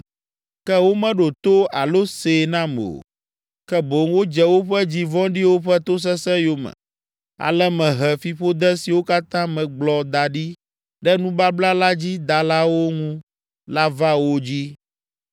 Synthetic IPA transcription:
kɛ˦wo˦mɛ̃˦ɖo˨t̪o˦a˨lo˦se˨nã˦mḛ˨o̰˨ | kɛ˦bo˨ŋwo˦d͡ʒɛ˦wo˦ɸɛ˦d͡ʑi˦vɔ̃˦ɖi˦wo˦ɸɛ˦t̪o˦s̬ɛ˦sɛ̃˦jo˨mɛ̰̃˨ | a̰˨lɛ˦mɛ̃˨ɦɛ˨fi˨ɸo˦d̪ɛ˦si˨wo˦ka˦t̪ã˦mɛ̃˨ɡ͡blɔ˨d̪a˨ɖi˦ | ɖɛ˦nũ˦ba˦bla˦la˦d͡ʑi˦d̪a˨la˦wo˦ŋũ˦ | la˦va˦wo˦d͡ʑi˦

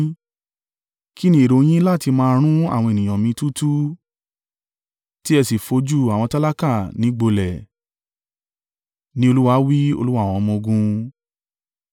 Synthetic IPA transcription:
ki˦nĩ˧˦e˨ɾo˨˧j̃ĩ˦la˦˨ti˧mãː˧˦˧ɾ̃ũ˦a̰˦˨w̃ɔ̃˧e˨nĩ˨j̃ɔ̃˨mĩ˧tu˦tu˦ | ti˦ɛ˧si˨fo˧d͡ʒu˦a˨w̃ɔ̃˧ta˦la˦ka˦˨nĩ˧˦ɡ͡bo˧lɛ˨ | nĩ˧˦o˧lu˦wa˧˦wi˦o̰˧lu˦wã˦˨ɔ̃˧mɔ̃˧ɡũ˧

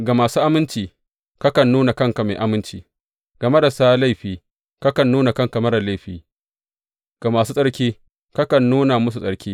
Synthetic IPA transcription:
ɡa˨maː˨suː˦ʔa˦mɪ˦nt͡ʃiː˨ | kɐ˦kɐ˨nːuː˦na˨kɐ˦ŋka˨me˨ʔa˨mɪ˦nt͡ʃiː˨ | ɡ̥ɐ˨me˦da˨saː˦la˦jɸiː˨ | kɐ˦kɐ˨nːuː˦na˨kɐ˦ŋkɐ˨mɐ˦ɽa˨la˦jɸiː˨ | ɡ̥a˨maː˨suː˦sʼɐ˦ɽkʲiː˦ | kɐ˦kɐ˨nːuː˦na˨mʊ˦s̬u˨sʼɐ˨ɽkʲiː˦

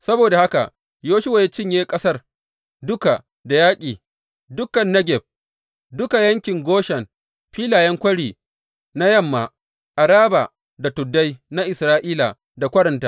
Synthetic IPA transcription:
sɐ˦boː˨da˨ha˦ka˨ | joː˦ʃʊ˦wa˨ja˦t͡ʃɪ˦ɲjeː˦kʼɐ˦sɐ˦r | dʊ˦ka˨ | da˨jaː˦kʲʼiː˨ | dʊ˦kːɐ˨nːɐ˦ɡʲɛ˨b̚ | dʊ˦ka˨jɐ˦ŋkʲɪ˨ŋɡʷoː˦ʃɛ˨m | ɸiː˦laː˨jɛ˦ŋkʷɐ˦ɽiː˨ | na˦jɐ˦˨mːa˨ | ʔa˨ɾaː˦ba˨ | da˨tʊ˨dːa˦jna˦ʔɪ˨sɾaː˦ʔiː˦la̰˨ | da˨kʷɐ˦ɾɐ˨ntaː˦

